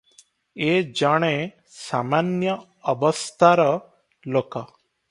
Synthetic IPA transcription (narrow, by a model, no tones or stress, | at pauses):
ed͡ʒaɽ̃e | samanjəː | bɔst̪ʰaɾɔ | loka